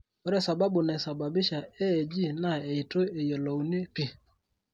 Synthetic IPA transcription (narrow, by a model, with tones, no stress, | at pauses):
ɔ˦ɾɛ˦˨sa˨ba˦bʊ˨nɛ˨sa˨ba˨bɪ˦ʃa˨ɛ˦e˨d͡ʒi˦na˦˨e˨ɪ˨to˦e˨jɔ˨lo˨u˨ni˦pi˦